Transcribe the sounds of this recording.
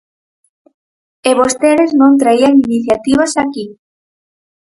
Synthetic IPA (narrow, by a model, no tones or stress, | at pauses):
eβost̪eɾeznõnt̪ɾaiaŋiniθjat̪iβ̞asaki